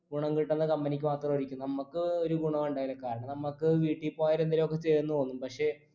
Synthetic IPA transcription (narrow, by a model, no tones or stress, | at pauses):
ɡuɳɐŋkiʈːɐnːɨkɐmbɐnikʲːɨʋaːt̪rɐmorikʲːunːnɐmːɐkːɨoɾuɡuɳɐmuɳɖaːjilɐkaːɾɐɳɐmnɐmːɐkːɨʋiːʈːipːoaːjiɾend̪ɐlmokːet͡ɕeːɾunːut̪oːnːumpɐkʂe̞